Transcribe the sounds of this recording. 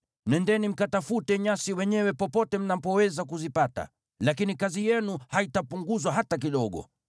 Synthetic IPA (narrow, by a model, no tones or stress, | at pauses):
nɛndɛnim̩katafutɛɲasiwɛɲɛwɛpɔpɔtɛm̩napɔwɛzakuzipata̰ | lakinikazijɛnuhaitapuŋɡuzwaɦatak̬iɗɔɠɔ̰